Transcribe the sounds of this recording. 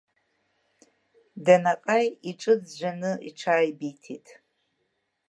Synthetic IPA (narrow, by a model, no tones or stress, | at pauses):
danaqʼajiʈ͡ʂʼɨd͡zʒʷanɨiʈ͡ʂʰaːjbitʰitʼ